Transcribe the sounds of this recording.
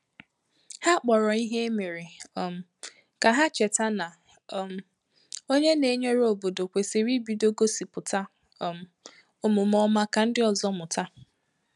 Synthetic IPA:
ha˦k͡pɔ˨ɾɔ˨i˦ɦe˦e˦me˨ɾi˨m̩˨ | ka˨ɦa˦t͡ʃe˨ta˦na˨ | m˨ | o˦ɲe˦ne˨ɲe˦ɾo˨bo˨do˨kʷe˨si˨ɾi˦bi˦do˦ɡo˦si˨pʊ˨ta˦˨ | m̩˨ | ʊ˨mʊ˨mɔ˦ma˦ka˨n̩˦dɪ˦ɔ˨zɔ˦mʊ˨ta˦

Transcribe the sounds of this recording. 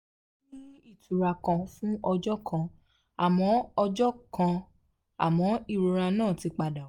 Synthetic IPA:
nĩ˦i˦˨tu˨ɾa˨kã˧fũ˦ɔ˧d͡ʒɔ˦kʰã˧ | a˨mɔ̃˨˦ɔ˧d͡ʒɔ˦kã˧ | a̰˨mɔ̃˨˦i˦˨ɾo˨˧ɾa˧nãː˦˨ti˨˧˦k͡pa˧da˨˦

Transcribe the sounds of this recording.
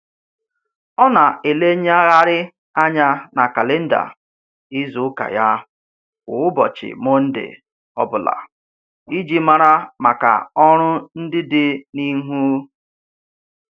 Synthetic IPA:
ɔ˦na˨e˨le˦ɲ˦a˦ɣa˦ɾɪ˦ | a˦ɲa˦na˨ka˨le˦n̩˦da̰˨ | i˦zʊ˨˦ka̰˨ja˦ | kʊ˨ʊ˦bɔ̰˨t͡ʃɪ̰˨mʊ˦n̩˦dɪ̰˨ | ɔ̰˦bʊ˨la̰˨ | i˦d͡ʒi˦ma˦ɾa˦ma˨ka̰˨ɔ˦ɾʊ˦n̩˦dɪ˦dɪ˦ni˦ɦu˦

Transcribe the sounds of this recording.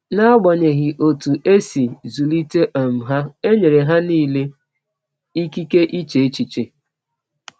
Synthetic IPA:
na˦ɡ͡bɔ˨ɲe˨ɣɪ˨ʔo˨tu˨ʔe˦si˨zu˨li˦te˦ʔɔ˨m̩˨ɦa˦e˦ɲe˨ɾe˨ɦa˦niː˦˨le˦ | i˦ki˦ke˦ʔi˦t͡ʃe˨e˦t͡ʃi˨t͡ʃe˨

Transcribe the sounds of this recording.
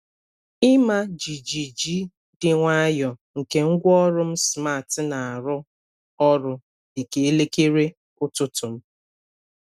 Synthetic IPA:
ɪ˦ma˦d͡ʒi˨d͡ʒi˨d͡ʒi˦ | dɪ˨ŋʷa˦a˦jɔ˨ŋ̩˨ke˨ŋ̩˦ɡʷɔ˦ɾʊ˦m̩˦sma˦˨tna˨a˨ɾʊ˦ | ɔ˦ɾʊ˦ | dɪ˨ke˨e˦le˦ke˦ɾe˦ | ʊ˦tʊ˦tʊ˨m̩˦

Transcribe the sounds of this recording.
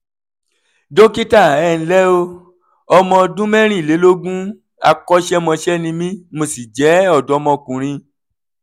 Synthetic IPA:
do˦ki˦ta˦˨ɛ˦˨n̩˨˦lɛ˦o˧ | ɔ˧mɔ̃˧dũ˦mɛ̃˦ɾ̃ĩ˦˨le˨˦lo˦ɡũ˦ | a̰˧kɔ˦ʃɛ˦mɔ̃˧ʃɛ˦nĩ˧mĩ˦mo˧si˨d͡ʒɛ˨˦ɔ˦˨dɔ˨˦mɔ̃˧kũ˨ɾ̃ĩ˧

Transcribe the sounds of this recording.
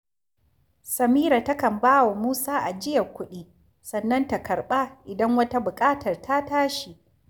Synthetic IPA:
sɐ˨miː˦ɾa˨ta˦kɐ˨mbaː˦wa˨muː˦saː˦ʔa˨d͡ʒɪ˦jɐ˨kʷʊ˦ɗiː˦ | sɐ˨nːɐ˦nta˨kɐ˨rɓa˦ʔɪ˨dɐ˦ŋwɐ˦ta˦bʊ˨kʼaː˦tʰɐ˨rta˦taː˦ʃi˨ʔ

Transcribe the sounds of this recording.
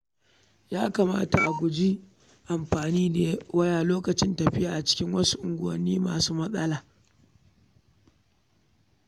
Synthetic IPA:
jaː˦ka˨ma̰ː˦ta̰˨ʔa˨ɡʷʊ˨d͡ʒi˦ | ʔa˨mɸaː˨niː˦neː˨wɐ˦jaː˨loː˦kɐ˨t͡ʃɪ˦ntɐ˨ɸɪ˦jaː˨ʔa˨t͡ʃɪ̥˦kʲɪ˦ŋwɐ˦su˦ʔʊ˨ŋɡʷʊ˨ɐ̰˨nːiː˦ma̰ː˨suː˦mɐ˦sʼɐ˦laː˨

